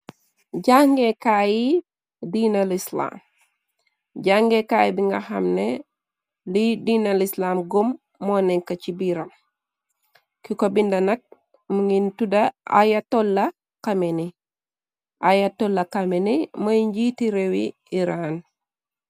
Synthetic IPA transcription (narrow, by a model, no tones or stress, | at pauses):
ɟaŋɡekaji | dinɐlisla̰ːm | ɟaŋɡekaːjibiŋɡɐ̰xɐ̰mnɛ | lidiːnɐlislaːmɡomː | ɔːnɛŋkɐt͡ʃibiɾɐm | kikobindɐnɐk̚ | muŋɡintudɐʔa̰jatolːɐ | kameni | ʔajatolːɐkɐmenimɐjɲɟitiɾewi | iɾan